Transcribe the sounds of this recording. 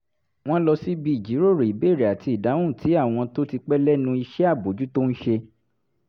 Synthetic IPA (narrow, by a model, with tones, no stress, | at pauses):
w̃ɔ̃˦lɔ˧si˦bi˦i˨d͡ʒi˨˦ɾo˦˨ɾe˨i˨˦be˦˨ɾi˨a˨ti˧˨da˨˦w̃ũ˦˨ti˨˦a˦˨w̃ɔ̃˧to˦ti˧k͡pɛ˦lɛ˦nũ˧i˧ʃɛ˦a˦˨bo˨d͡ʒu˨˦to˦n̩˦ʃe˧